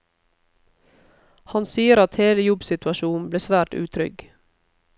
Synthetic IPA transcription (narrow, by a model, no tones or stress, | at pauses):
hɑnsiːəɾɑt̪heːləjɔbsɪt̪ʉɑʃuːn̩bleːsʋæːʈʉ̰ːt̪ʰɾʏ̰ɡ